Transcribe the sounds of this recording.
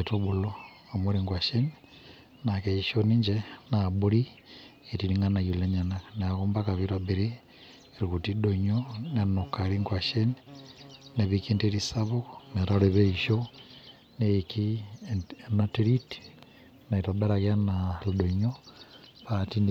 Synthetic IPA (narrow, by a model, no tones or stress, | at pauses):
etoβulo | amoɾiŋɡwaʃeni | nakeiʃoniɲd͡ʒenabuɾi | etiɾiŋanajuleɲananeakumbakaβiɾabiɾiː | ɾikutidoɲonanokaɾiŋɡwaʃeni | neβikinteɾisaβoknetaleβeiʃo | neki | natiɾiti̥ | naitobeɾaɣjanaludoɲopatin